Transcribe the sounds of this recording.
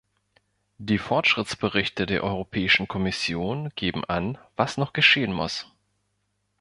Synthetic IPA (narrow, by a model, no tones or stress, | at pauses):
d̥iːfɔɐtʃʁ̥ɪt͡sb̥əʁɪçtədeːɐʔɔʏʁ̞opʰɛːɪʃn̩kʰɔmɪsjoːnɡ̥eːbm̩ʔanv̥asnɔχɡ̥əʃeːənmʊ̰s